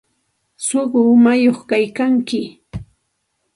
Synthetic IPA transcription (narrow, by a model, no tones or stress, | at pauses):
soɢʊmajoχkajkaŋkɪ